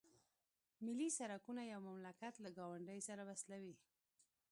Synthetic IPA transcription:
mɪlisaɾakunajawmamlakat̪laɡɑwaɳɖəjsaɾawaslawi

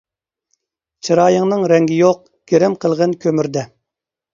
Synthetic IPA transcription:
t͡ʃʰɨɾɑːjəŋnɨŋɾɛŋɡʲijoq̚ | ɡ̥ʲeɾɪmqʰəlˠʁənkʲʰømyɾd̪ɛ

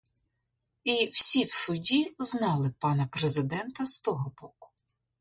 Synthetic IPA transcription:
iwsʲiwsʊdʲiznɑlˠɪpɑnɐpɾezɪd̪ɛnt̪ɐst̪ɔɦɔbɔkʊ̥

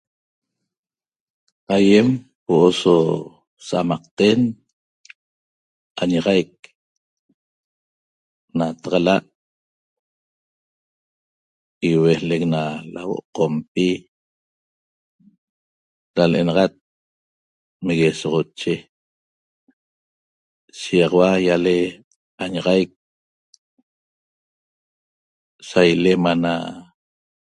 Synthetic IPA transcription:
ajem | woʔoso | saʔamɑqt̪en | aɲaʁɑjk̚ | nat̪ɑʁɑlaʔ | iwehlek̚nala̰wo̰ʔqompi | ɾalʔenɑʁɑt̪̚ | meɣesɔʁɔt͡ʃe | ʃiɑʁɑwajale | aɲɑʁɑjk̚ | sajlemana̰

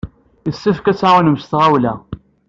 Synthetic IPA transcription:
isːæfkæt͡sːaʁunəmst̪ʁawlæ̰

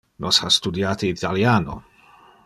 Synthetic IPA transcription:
nʔɔshastudjaːtʰiːtʰaljaːnɔ̰

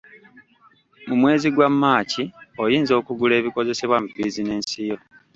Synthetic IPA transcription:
mumwe̞ːziɡwamːaːciojiːnzo̞ːkuɡule̞ːβiko̞ze̞se̞βwamubiːzine̞ːnsijo̞

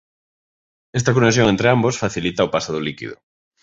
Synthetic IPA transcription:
est̪akonesjoŋẽnt̪ɾɪambosfaθilit̪aopasoðʊlikḭðʊ̰

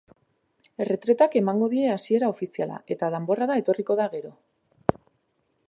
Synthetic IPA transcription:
e̞re̞t̪ɾe̞t̪ake̞maŋɡo̞ðie̞asie̞ɾao̞fisiala̰ʔe̞t̪að̞embo̞raðae̞t̪o̞riko̞ðaɣe̞ɾo̞

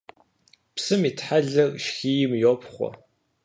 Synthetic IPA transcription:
psɨmiːtħaɮɐrʃxiːjɪmjoːpχʷɔ̰

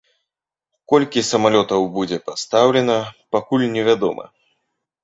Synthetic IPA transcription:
kɔlʲkʲisɐmalʲɔt̪ɐwbud͡zʲɛpast̪awlʲɛnɐpakulʲnʲɛvʲad̪ɔ̰mɐ̰

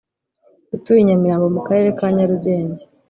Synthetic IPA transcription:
ɡutujiɲamiɾaːmbo̞mukaɾe̞ːɾe̞kaːɲaɾuɟe̞ːɲɟe

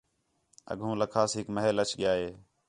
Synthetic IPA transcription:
ə̰ɠʱũːləkʰaːsɦɪkməɦelət͡ʃʰɠɪjaːɦeː

